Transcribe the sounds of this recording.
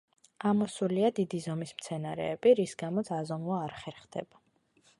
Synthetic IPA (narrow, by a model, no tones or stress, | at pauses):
amɔsuliad̪id̪izɔmismt̪sʰɛnaɾɛ̰ːb̥iɾisɡamɔt̪sʰazɔmuvaːɾχɛɾχd̪ɛ̰b̥a